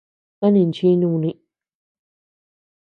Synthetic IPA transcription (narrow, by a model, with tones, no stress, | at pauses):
ã˦nĩ˨n˨t͡ʃi˧nũː˧˨˧nĩ˧